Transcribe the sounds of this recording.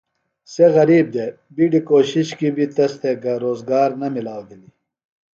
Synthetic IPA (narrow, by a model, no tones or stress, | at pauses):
seɣɐɾiːb̚d̪e | biɖikoːɕiɕkibit̪ɐst̪ʰeɡɐɾoːzɡaːɾnɐmilaːwd̪ili